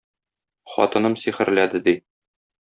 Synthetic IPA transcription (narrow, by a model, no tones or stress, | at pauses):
χɒ̰t̪ɤ̆nɤmsiχɘ̆ɾlæd̪ɘd̪i